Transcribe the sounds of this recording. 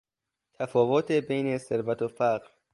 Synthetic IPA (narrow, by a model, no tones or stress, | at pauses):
t̪ʰæfɒːvot̪ʰebejnese̞ɾvæt̪ʰofæɢɾ